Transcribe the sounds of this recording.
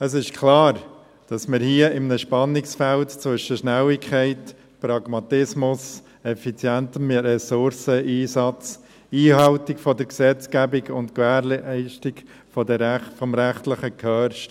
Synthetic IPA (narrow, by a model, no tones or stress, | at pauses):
əs̬ɪʃkʰlɑːɾ | d̥ɑsməɾhiəɪmnəʃpɑnːɪksfæltt͡sʋʏʃəʃnæwɪkʰχɛɪt | pɾɑɡ̥mɑtɪsmʊs | ɛfit͡sjæntəmɾɛsʊɾsəiːsɑt͡s | iːhɑʊtɪkfɔdəɾksɛt͡skæbɪɡʊntkvæːɾlɛɪʃtɪk | fɔdəfɔmɾæχtləχəkʰœɾʃt